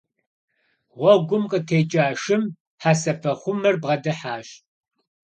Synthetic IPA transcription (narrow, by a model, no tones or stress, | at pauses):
ʁʷɔɡʷʊmqʼətʰeːt͡ʃʼaːʂɨm | ħaːsɐfʰɐχʷʊmɐrbʁɐdɐħaːɕ